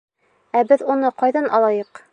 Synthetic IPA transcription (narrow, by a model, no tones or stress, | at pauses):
æbɘðunɤqɒjðɑnʔɒlˠɑjɤq